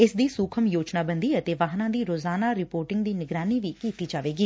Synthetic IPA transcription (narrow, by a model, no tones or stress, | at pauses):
ɪsd̪iːsuːkʰəmjoːt͡ʃnaːbənd̪iːət̪eːʋaːɦnãːd̪iːɾoːzaːnaːɾɪpoːɾʈɪŋɡd̪iːnɪɡɾaːniːʋiːkiːt̪iːd͡ʒaːʋeːɡiː